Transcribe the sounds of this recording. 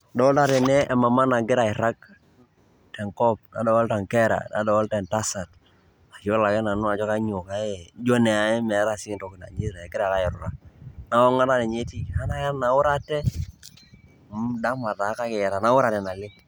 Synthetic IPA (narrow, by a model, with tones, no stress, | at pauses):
dɔ˨˦lta˦ɾɛ˨nɛ˦ʔːma˨ma˦na˨ɡɪ˦ɾa˨ɪ˨ɾa˦k̚ | tɛ˨ŋkɔ˦p̚na̰˨dɔ˨wɔ˦lta˨ŋkɛ˦ɾa̰˨na̰˨dɔ˨wɔ˦ltɛ˨nta˦sa˨t̚ | a˨t͡ʃo˦la˨kɛ˦na˨nu˦a˨d͡ʒɔ˦ka˦ɲo˨ka˨ɛ˦d͡ʒɔ˦nɛ˨a˨ɛ˦mɛ˨˦ɾa˦˨si˦ŋ˨to˨kɪ˨na̰˨ɲi˦ɾa˨kɪ˦ɾa˨ka˦jɪ˨ɾu˨ɾa˨na˦ɔ˦ŋa˦na˦ne˨ɲe˦ti˦˨ha˦na˦ja˦na˨˦wʊ˦ɾa˦tɛ˦ | da˦ma˨ta˨˦ka˦kɛ˨jɛ˨ɾa˨na˨˦wʊ˦ɾa˨tɛ˨na˨lɪ˦